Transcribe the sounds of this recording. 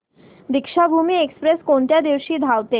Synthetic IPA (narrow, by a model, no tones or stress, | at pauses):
d̪ikʃabʱumiekspɾeskont̪jad̪ewʃid̪ʱawt̪e